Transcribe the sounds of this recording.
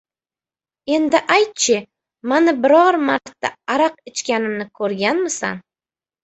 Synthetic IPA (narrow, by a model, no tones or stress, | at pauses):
e̞nd̪ɪʔajt̪̚t͡ʃʰɪ | manɪbɪɾɒɾmaɾt̪ːa̰aɾɑq̚ɪt͡ʃkʲanɪmnɪkʰɵɾɡʲanmɪsa̰n